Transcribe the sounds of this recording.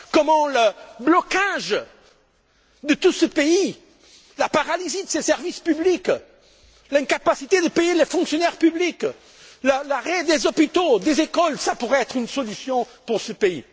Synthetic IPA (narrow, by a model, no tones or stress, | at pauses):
kɔmɑ̃ləblɔkaʒ | d̪ət̪usəpei | lapaʁalizid̪əsesɛʁvispyblik | lɛ̃ŋkapasit̪ed̪əpejelefɔ̃ŋksjɔnɛʁpyblik | lalaʁed̪ezɔpit̪od̪ezekɔlsapuʁɛɛt̪χynsɔlysjɔ̃puʁsəpeḭ